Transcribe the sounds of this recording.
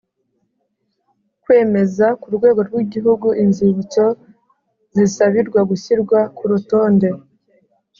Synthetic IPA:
kwe̞ːme̞zakuɾɡwe̞ːɡo̞ɾɡwiɟiɦuɡuʔinziβit͡so̞ | zisaβiɾɡwaɡuçiɾɡwakuɾuto̞ːnde̞

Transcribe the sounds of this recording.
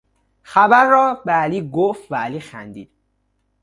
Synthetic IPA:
xæbæɾːɒːbeæliːɡoft̪vææliːxæ̰nd̪iːd̪̥

